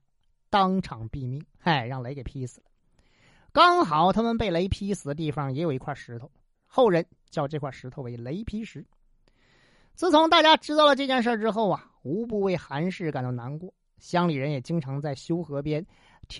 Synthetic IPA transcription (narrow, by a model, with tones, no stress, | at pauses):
t̪ɑ˥ŋʈ͡ʂʰɑ˨˩ŋpi˥˧mi˥˩ŋa˥˩ɪɻɑ˥˩ŋle˧˥ɪke˨˩pʰi˥sɹ̩˨˩lə˦ | kɑ˥ŋxɑ˨˩˦ʊt̪ʰa˥mə˨npe˥˩ɪle˧˥ɪpʰi˥sɹ̩˨˩d̪ə˦t̪i˥˩fɑ˨˩ŋjɛ˧˥jo˨˩i˧˥kʰwa˥˩ʂɻ̩˧˥t̪ʰo˧˩ʊ | xo˥˩ʊɻə˧˥n | t͡ɕjɑ˥˧ʊʈ͡ʂɤ˥˧kʰwa˥˩ʂɻ̩˧˥t̪ʰo˧ʊwe˧˥ɪle˧˥ɪpʰi˥ʂɻ̩˧˥ | t͡sɹ̩˧˩t͡sʰʊ˧˥ŋt̪a˥˩t͡ɕja˥ʈ͡ʂɻ̩˥t̪ɑ˥˩ʊlə˩ʈ͡ʂɤ˥˧t͡ɕjɛ˥˧nʂ̬ə˥˧ʈ͡ʂɻ̩˥xo˥˩ʊɐ˩ | u˧˥p̬u˥˧we˥˩ɪxa˧˥nʂɻ̩˥˩ka˨˩nt̪o˧˩na˧˥nkwɔ˥˩ | ɕjɑ˥ŋli˨˩ɻə˧˥njɛ˨˩t͡ɕi˥ŋʈ͡ʂʰɑ˧˥ŋt͡sa˥˩ɪɕjo˥ʊxɤ˧˥pjɛ˥n | t̪ʰ